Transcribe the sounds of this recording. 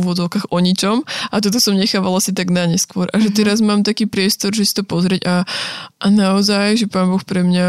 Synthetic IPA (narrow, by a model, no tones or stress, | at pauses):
uʋɔd͡zɔʊkaːɣʔɔɲit͡ʃɔmʔat̪ɔt̪̬ɔsɔmɲɛxaːʋalasit̪aɡnaɲɛskʊɔɾʔaʒɛt̪ɛɾazmaːmt̪akiːpɾɪɛst̪ɔɾʒɛsi̥t̪ɔpɔzɾɪɛɟaʔanaɔzajʒɛpaːnbɔxpɾɛmɲa